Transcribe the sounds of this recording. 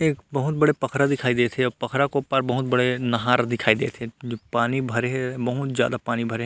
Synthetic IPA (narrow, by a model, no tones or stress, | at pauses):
eːkbɐɦʊt̪̚bɐɽepɐkʰɾad̪ɪkʰaːid̪eːt̪ʰeɔːɾpɐkʰɾakopaɾbɐɦʊt̪̚bɐɽenɐɦaːɾd̪ɪkʰaːid̪ḛːt̪ʰed͡ʒpaːnibʱɐɾeɦɛbɐɦʊt̪zja̰ːd̪apaːnibʱɐɾeɦ